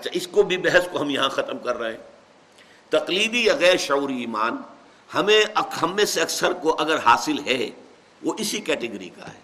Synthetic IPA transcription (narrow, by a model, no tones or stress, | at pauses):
ɐtːʃʰa̰ʔɪskobʱibɛɦɛskoɦɐmjɐɦãxɐt̪əmkɐɾːɐɦẽː | t̪ɐqliːd̪ijaɣɛːɾʃɐuːɾiiːmaːn | hɐmẽɐɦɐmːẽseɐksəɾkoʔɐɡəɾhaːsɪlɦɛː | ʋoʔɪsikɛːʈɪɡɾḭka̰ɦɛ̰ː